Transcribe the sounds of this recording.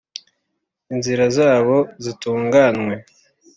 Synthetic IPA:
inziɾazaːβo̞zituːŋɡanwe̞

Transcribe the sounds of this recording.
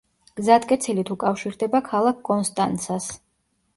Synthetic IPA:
ɡ̥zat̪kʼɛt̪sʰilit̪ʰukʼafʃiɾd̪ɛbakʰalˠak̚ʰkʼɔnst̪ʼant̪sʰas

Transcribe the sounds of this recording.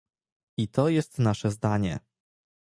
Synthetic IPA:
it̪ɔjɛst̪naʂɛzd̪aɲɛ

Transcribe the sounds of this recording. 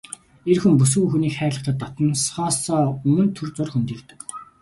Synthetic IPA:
erxumpus̬ɡŭŋxuniːkχæːɮə̆χt̪ə̆t̪ːɔt̪ɞ̆nsχɔːsɔːɵmɵ̆nt̪ʰːɵrt͡sʊrxɵnt̪iːkt̪ɘ̆k

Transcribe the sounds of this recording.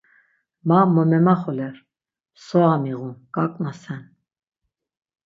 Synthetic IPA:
mamɔmɛmaχɔlɛɾ | sɔamiʁukʼakʼnasɛn

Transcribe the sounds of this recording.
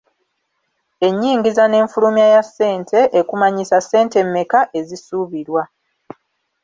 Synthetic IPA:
e̞ɲːiːŋɡizane̞ːɱfulumjajasːe̞ːntʰe̞ʔekumaɲisasːe̞ːnte̞mːe̞kaʔe̞zisuβiɾwa

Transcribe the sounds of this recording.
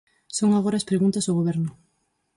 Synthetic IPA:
soŋaɣ̞oɾaːspɾeɣunt̪ɐsoɣoβ̞ɛɾnʊ

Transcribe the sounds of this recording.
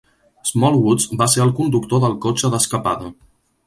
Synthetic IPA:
zmɔlˠwuzbaseɾəlˠkund̪ukt̪oðəlˠkot͡ʃəðəskəpaðə

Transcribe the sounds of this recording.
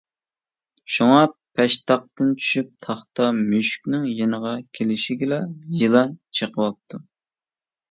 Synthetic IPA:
ʃuŋɑpʰɛʃt̪ɑq̚t̪ɨnt͡ʃʰy̥ʃyp̚t̪ʰɑχt̪ɑmyʃkʲnɪŋjenəʁɑkʲʰelɪʃiɡʲɪlɛjɨlˠɑnt͡ʃʰəqʰəwɑp̚t̪ʰu

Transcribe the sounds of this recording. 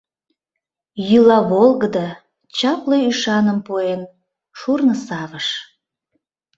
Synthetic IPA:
jylɑβolˠɣəd̪ɑ | t͡ɕɑpleyʃɑnəmpuen | ʃurnəsɑβəʃ

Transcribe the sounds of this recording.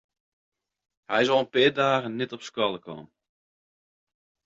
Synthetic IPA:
hɛjzɔlˠənpɪːdaːɣənːɛtɔpskɔlˠəkʰɔ̰ːm

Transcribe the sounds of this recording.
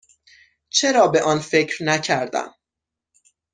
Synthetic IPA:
t͡ʃʰe̞ɾɒːbe̞ʔɒːnfe̞cɾnæcʰæɾd̪æ̰m

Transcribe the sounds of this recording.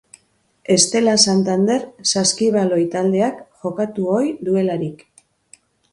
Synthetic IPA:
e̞st̪e̞lasant̪and̪e̞ɾsaskiβalo̞jt̪ald̪e̞akʝo̞kat̪uo̞jðue̞laɾik

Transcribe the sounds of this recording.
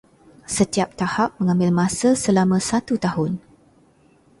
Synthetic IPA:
sət̪iap̚t̪ahap̚mə̃ŋãmbɪlmãsasəlamə̃sat̪ut̪ahʊn

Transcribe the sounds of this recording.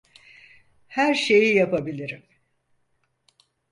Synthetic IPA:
hæɾʃe̞jijapabilʲiɾim

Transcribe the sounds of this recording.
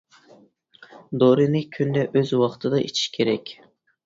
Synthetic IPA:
d̪oɾɨnɪkʲʰynd̪ɛʔøzwɑqt̪ʰɨd̪ɑʔet͡ʃʰi̥ʃkʲʰeɾɛkʲ

